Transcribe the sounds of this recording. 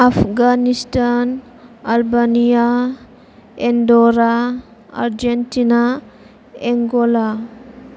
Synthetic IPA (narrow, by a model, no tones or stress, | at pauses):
afʰɡanistan | albanija | endoɾa | a̰ɾd͡ʒentina | eŋɡola